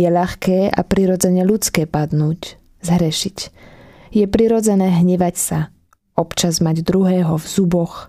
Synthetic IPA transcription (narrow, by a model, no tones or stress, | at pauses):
jɛʎaxkɛːʔa̰pɾiɾɔd͡zɛɲɛlut͡skɛːpad̪nuːc | zɦɾɛʃic | jɛpɾiɾɔd͡zɛnɛːɦɲɛʋacsa | ɔpt͡ʃazmaɟd̪ɾuɦɛːɦɔvz̥ubɔx